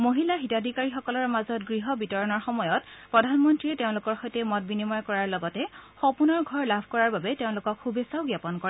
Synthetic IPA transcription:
moɦilaxitadʱikaɹixɔkɔlɔɹmazɔtɡɹiɦɔbitɔɹɔnɔɹxɔmɔjɔtpɹɔdʱanmɔntɹiɛteʊ̃lʊkɔɹxɔjtɛmɔt̚binimɔjkɔɹaɹlɔɡɔtɛxɔpunɔɹɡʱɔɹlabʱkɔɹaɹbabɛteʊ̃lʊkɔkxubesaʊɡjapɔnkɔɹɛ

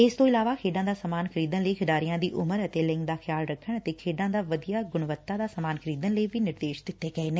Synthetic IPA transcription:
ɪst̪oːɪlaːʋaːkʰeːɖãːd̪aːsəmaːnkʰəɾiːd̪ənləiːkʰɪɖaːɾijãːd̪iːʔʊməɾət̪eːlɪ̃ŋɡd̪aːxʰjaːlɾəkʰːəɳ̃ət̪eːkʰeːɖãːd̪aːʋəd̪ijaːɡʊɽ̃ʋət̪ːaːd̪aːsəmaːnkʰəɾiːd̪ənləiʋiːnɪɾd̪eːʃd̪ɪt̪ːeːɡɛeːneː

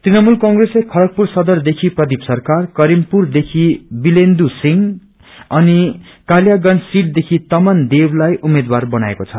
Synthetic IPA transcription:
t̪rinʌmulkʌ̃ŋɡreslekʰʌlʌk̚pursʌd̪ʌrd̪ekʰiprʌd̪ipsʌrkarkʌɾimpurd̪ekʰibilend̪usiŋ | ʌni | kaljaɡʌnsiʈ̚d̪ekʰit̪ʌmand̪ewlajʔumed̪warbʌna̰ḛkot͡sʰʌ

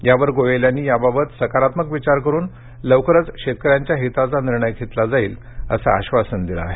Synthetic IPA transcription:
jaʋəɾɡojeljanːiːjababət̪səkaɾat̪məkʋit͡ɕaɾkəɾuːn | ləʋkɾət͡sɕet̪̚kəɾjaɲt͡ɕjaɦit̪at͡saniɾɳəjkʰet̪lad͡zaiːl | ə̰sa̰ːɕʋasənd̪ila̰ːɦe

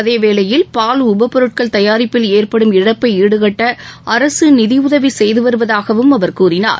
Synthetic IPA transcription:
ɐðeːʋeːlɐjɪlpaːlʊbɐpːɔɾɯʈ̚kɐɭt̪ɐjaːɾɪpːɪleːrpɐɽɯmɪɽɐpːɐɪiːɽɯɣɐʈːɐʔɐɾɐsɯnɪðɪʊðɐʋisɛjðɯʋɐɾɯʋɐðaːɣɐʋɯmɐʋɐɾkuːɾɪna̰ːɾ

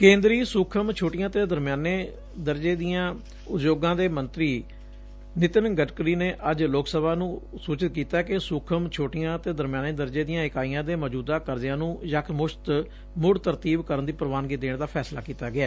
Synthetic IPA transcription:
kẽːnd̪ɾiːsuːkʰəmt͡ʃʰoːʈɪjãːt̪eːd̪əɾmjaːneː | d̪əɾd͡ʒeːd̪ijãː | ʊd͡ʒjoːɡãːd̪eːmənt̪ɾiː | nɪt̪ənɡəʈkɾiːneːʔəd͡ʒloːksəbaːnũːsuːt͡ʃɪt̪̚kiːt̪aːkesʊːkʰəmt͡ʃʰoːʈɪjãːt̪eːd̪əɾmjaːneːd̪əɾd͡ʒeːd̪ijãːɪkaːijãːd̪eːməd͡ʒuːd̪aːkəɾd̪ɪjãːnũːjəkʰmʊʃt̪ | mʊɽt̪əɾt̪iːbkəɾənd̪iːpəɾəʋaːnɡiːd̪eːɳd̪aːpʰɛːsla̰ːkiːt̪aːɡɪaː

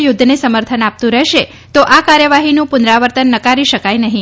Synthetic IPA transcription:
jʊd̪ʱːnesəməɾt̪ʰənap̚t̪ũɾəɦʃe | t̪oʔakaɾjəʋaɦinũpʊnɾaʋəɾt̪ənːəkaɾiʃəkajnəɦĩ

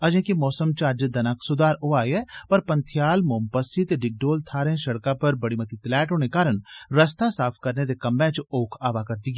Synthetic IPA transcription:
ɐd͡ʒẽːkimɔːsəmt͡ʃaːd͡ʒd̪ɐnaːksʊd̪aːɾoaːjɛpɐɾpɐnt̪ʰjaːlmoːmpəsit̪ɖɪɡ̚ɖoːlt̪ʰaːɾẽʃɐɽkapɐɾbɐɽimɐt̪it̪lɛːʈɦoːnekaːɾəɳɾɐst̪asaːpʰkɐɾned̪ekɐmːɛ̃t͡ʃoːkʰaːʋakɐɾd̪iːɡiː

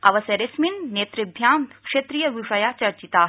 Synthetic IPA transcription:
ɐʋɐsjɐɾesminneːt̪ɾibʱjaːmkʂet̪ɾijɐʋiʂɐjaːt͡ʃɐɾt͡ʃit̪aː

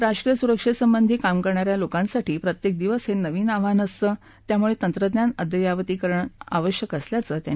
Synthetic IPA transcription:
ɾaʂʈɾijəsuɾəkʂisəmbənd̪ʱiːkamkəɾɳaɾjalokãnsaʈʰiːpɾət̪jek̚d̪iʋəsennːəʋiːnaʋanəst̪əː | t̪jamuɭet̪ənt̪ɾəd̪njanəd̪jəjaʋt̪iːkəɾəɳa̰ʋəɕjəkəsljat͡səːt̪ja̰

